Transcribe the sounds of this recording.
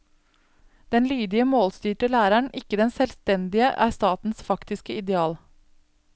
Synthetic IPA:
d̪̥ɛnlyːd̪ɪəmoːlst̪yːʈəlæːɾæɳʔɪkəd̪ɛnsɛːlst̪ɛnd̪ɪəʔæ̰ːɾst̪ɑːt̪n̩sfɑkt̪ɪskəɪd̪ɛɑːl

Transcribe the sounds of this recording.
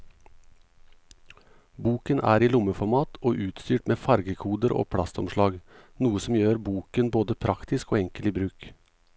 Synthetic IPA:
buːkənʔæ̰ːɾiːlʊməfɔmɑːt̪ʰoːʔʉːt̪st̪yːʈmeːfɑɾɡəkʰuːd̪əɾʔo̰ːpʰɽɑst̪ɔmʃlɑːɡnuːəsɔm̩jøːɾbuːkənboːd̪əpʰɾɑkt̪ɪskoːɛŋkəliːbɾʉːk

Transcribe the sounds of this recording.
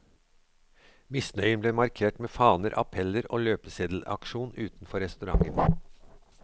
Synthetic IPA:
mɪsnœʏənbleːmɑɾkʰeːʈmeːfɑːnəɾʔɑ̰pʰɛləɾo̰ːløːpəseːd̪l̩ɑ̰kʃuːnʉːt̪n̩fɔɾɛst̪ʉɾɑ̰ŋən

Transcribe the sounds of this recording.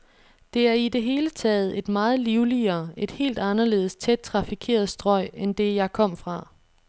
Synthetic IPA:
d̥e̝æɐid̥e̝ɦe̝ːlət͡sʰɛ̰ːð̞̩ˠe̝d̥mɑ̈ːð̞̩ˠliʊliɐːe̝d̥he̝̰ːld̥ɑ̈nɐle̝̰ːð̩ˠst͡sʰed̥̚t͡sʰʁɑ̈fikʰe̝̰ɐð̩ˠsd̥ʁɒ̽ɪ̰end̥e̝jɑ̈ɪkʰɒ̽m̰fʁɑ̈

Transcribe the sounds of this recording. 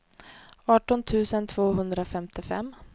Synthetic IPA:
ɑːʈɔnt̪ʰʉ̟ːsənt̪ʰv̥oːɦɵnd̪ɾafɛmt̪ʰɪfɛ̰mː

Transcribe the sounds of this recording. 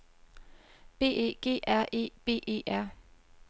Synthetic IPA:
b̥e̝̰ːe̝̰ːɡ̥e̝̰ːʔæɐ̰ʔe̝̰ːb̥e̝̰ːʔe̝̰ːʔæɐ̰

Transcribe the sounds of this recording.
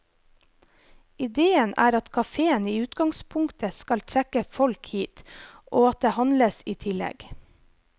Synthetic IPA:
ɪd̪eːənæ̰ːɾɑt̪kʰɑfeːəniːʉːt̪ɡɑŋspʰʊŋkt̪əskɑlt̪ʰɾɛkəfɔlkhiːt̪ʔoːɑt̪̚d̪eːhɑnləsiːt̪ʰɪlɛ̰ɡ

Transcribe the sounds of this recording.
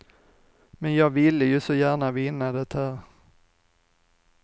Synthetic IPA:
mɛnjɑːɡvɪlːəjɵsɔjæːɳavɪnːad̪ɛt̪hæːɾ

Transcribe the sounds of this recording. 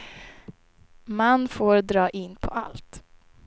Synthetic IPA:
manfoːɾd̪ɾɑːʔɪnːpʰɔʔa̰lt̪

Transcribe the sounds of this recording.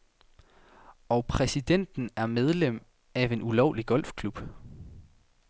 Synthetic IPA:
ɒ̽pʰʁɛsid̥en̰d̥n̩æɐmeð̞ˠlem̰ | æʋe̝nulɒʊliɡ̥ɒ̽l̰fkʰlub̥

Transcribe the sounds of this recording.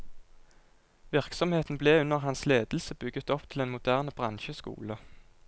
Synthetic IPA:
ʋɪʁksɔmheːt̪n̩bleːʉnəʁhɑnsleːd̪l̩səbʏɡət̪ɔpt̪ʰɪleːnmʊd̪æːʁnb̥ʁɑnʃəskṵːlə

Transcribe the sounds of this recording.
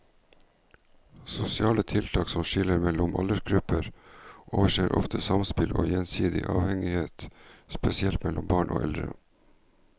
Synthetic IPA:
sʊsɪɑːlət̪ʰɪlt̪ʰɑːksɔmʃɪləɾmɛlʊmʔɑ̰ləʃɡɾʉpəɾʔoːʋəʂeːɾʔɔ̰ft̪ʰəsɑmspɪlʔo̰ːjɛnsiːd̪ɪ̰ʔɑːʋhɛŋɪheːt̪spɛsɪɛlt̪mɛlʊmbɑːɳʔo̰ːʔɛld̪ɾə̰

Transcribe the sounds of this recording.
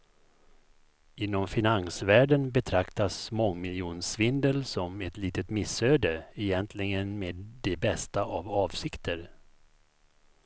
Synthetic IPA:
ɪnːɔmfɪnansvæːɖənbɛt̪ʰɾakt̪asmɔŋːmɪljuːnsvɪnd̪əlsɔmɛt̪liːt̪ət̪mɪsːøːd̪əɛjɛnt̪ʰlɪɡənmeːd̪d̪ɛbɛst̪aʔavɑːvsɪkt̪ʰəɾ

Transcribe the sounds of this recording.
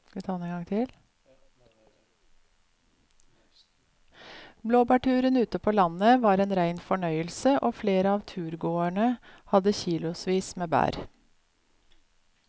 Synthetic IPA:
t̪ʰɑːnɛŋɡɑŋt̪ʰɪl | bloːbæːʈʰʉːɾənʉːt̪əpʰoːlɑnəʋɑːɾeːnɾæɪnfɔɳœʏəlsəʔoːfleːɾəɑːʋt̪ʰʉːɾɡoːæɳəhɑd̪əçiːlʊsʋiːsmeːbæ̰ːɾ

